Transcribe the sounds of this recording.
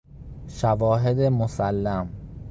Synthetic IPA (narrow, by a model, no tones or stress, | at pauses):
ʃævɒːɦed̪emosælːæm